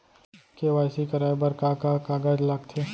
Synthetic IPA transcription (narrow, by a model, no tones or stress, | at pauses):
keʋaːɪsikɐɾaːjbəɾkakakaːɡaːd͡ʒlaɡt̪ʰeː